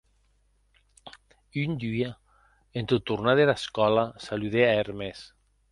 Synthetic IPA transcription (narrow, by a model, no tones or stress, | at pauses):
ynd̪ya | ent̪ut̪ːurnaðelaskɔlasaluðeaeɾmes